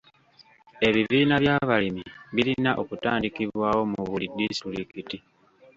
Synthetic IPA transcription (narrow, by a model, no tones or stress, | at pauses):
e̞βiviːnaβjaːβalimiβilinaʔo̞kutaːndikiβwaːwo̞muβulidistɾikiti